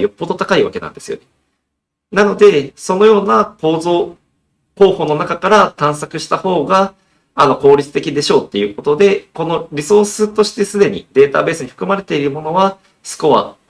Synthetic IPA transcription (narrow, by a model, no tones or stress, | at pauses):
jo̞pːo̞d̪o̞t̪akaiβa̰ke̞nã̰nd̪e̞sɨjo̞̰ne | nano̞d̪e̞so̞no̞jo̞ːnako̞ːzo̞ː | ho̞ːho̞ːno̞nakakaɾat̪ãɰ̃sakɯ̟ɕi̥t̪aho̞ːɡa | ano̞ko̞ːɾʲit͡sɨ̥t̪e̞kʲid̪e̞ɕo̞ːt̪ːe̞jɯ̟ːko̞t̪o̞d̪e̞ko̞no̞ɾʲiso̞ːsɨt̪o̞ɕi̥t̪e̞sɨd̪e̞ɲ̟ḭd̪e̞ːt̪a̰be̞ːsɨɲ̟iɸɯ̟̥kɯ̟maɾe̞t̪e̞iɾɯ̟mo̞no̞βa | sɨ̥ko̞βa̰